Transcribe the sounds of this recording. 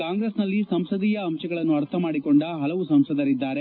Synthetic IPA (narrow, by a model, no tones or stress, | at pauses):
kaːŋɡɾesnɐlːisɐmsɐd̪iːjɐːmʃɐɡɐɭɐnːuɐɾt̪ʰɐmaːɽiko̞ɳɖɐɦɐlɐʋusɐmsɐd̪ɐɾid̪ːaːɾe